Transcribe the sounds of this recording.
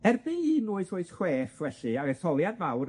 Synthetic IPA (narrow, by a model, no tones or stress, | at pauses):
ɛrbɪinʊːɨθʊɨθχweːfvɛɬɨaɛθɔlˠjadvawɾ